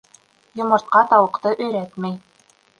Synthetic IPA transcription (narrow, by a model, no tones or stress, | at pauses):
jŏmɤ̆ɾt̪̚qɑt̪ɑwɤ̆qt̪ɤʔɵ̆jɾæt̪mæj